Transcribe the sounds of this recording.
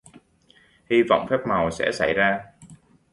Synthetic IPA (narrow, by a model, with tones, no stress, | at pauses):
hi˧vɔ̰˧˨wŋ͡mfɛː˦˥p̚ma˨˩wsɛ̰˧˥sa˧˩jzaː˧